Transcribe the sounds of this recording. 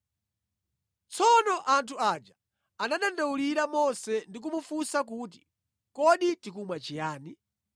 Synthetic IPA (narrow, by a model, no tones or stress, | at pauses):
t͡sɔnɔʔantʰuad͡ʒa | anaɗandauliɾamɔsɛndik̬umufusak̬uːt̬i̥ | kɔɗitik̬umwat͡ʃijaːni